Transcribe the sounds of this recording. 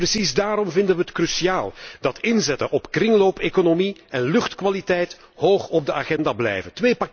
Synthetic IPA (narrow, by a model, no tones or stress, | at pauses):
rəsizdaːɾɔmvɪndənʋəətkrysiaːlˠd̥ɑtɪnzɛtənʔɔpkrɪŋloːpeːkonomiɛnlɵxtkʋalitɛjt | hoːxɔb̚dəʔaɣɛndaːblɛ̰jvəntʋeːpa